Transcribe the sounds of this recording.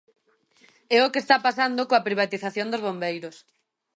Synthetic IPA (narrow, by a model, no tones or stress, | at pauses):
ɛokest̪apasand̪okoapɾiβ̞at̪iθaθjõnd̪ozβombejɾos